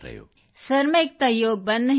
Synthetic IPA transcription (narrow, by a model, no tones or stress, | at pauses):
ɾɐ̰jo̰ː | sɐɾmek̚t̪ajoːɡ̚bɐnːə